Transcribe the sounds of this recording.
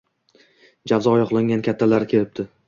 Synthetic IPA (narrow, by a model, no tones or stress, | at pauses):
d͡ʒavzɒːjɒqlˠaŋɡʲankʲʰat̪ʰːalaɾkʲʰe̞lɪp̚t̪ʰɪ